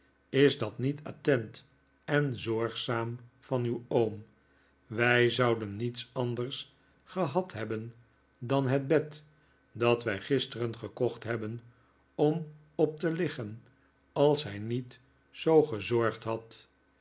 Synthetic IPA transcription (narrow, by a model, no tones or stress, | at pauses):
ɪzdɑtnita̰tɛnt | ɛnzɔɹχsaːmfɑnywom | ʋɛjzɑwdənːitsɑndərs | χəɦɑtɦɛbən | dɑnɦəd̚bɛt | dɑtʋɛjχɪstərənχəkɔχtɦɛbən | ɔm | ɔp̚təlɪχən | ɑlˠsɦɛjnit | sowχəzɔɹχtɦɑt